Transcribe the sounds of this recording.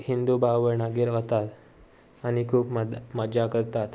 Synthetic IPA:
hind̪ubaʋəɾnaɡiːɾət̪at̪ | añikʰuːpmməd͡ʑakəɾt̪at̪

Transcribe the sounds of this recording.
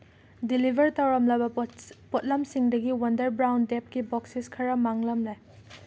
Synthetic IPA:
dilibʱɐɾtɐwɾɐmlɐbɐpɔt̚lɐmsiŋdɐɡiwɐndɐɾbɾawndep̚kibɔksiskʰɐɾɐmaŋlɐmlaj

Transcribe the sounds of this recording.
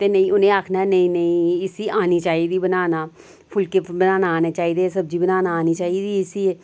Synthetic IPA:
t̪eːnəĩːʊnẽːaːkʰnaːɛnəĩːnəĩːɪsiːʔaːniːt͡ʃaːiːd̪iːbənaːnaː | pʰʊlkeːbənaːnaːneːt͡ʃaːiːd̪eːsəb̚d͡ʒiːbənaːnaːniːt͡ʃaːiːd̪iːɪsiːeː

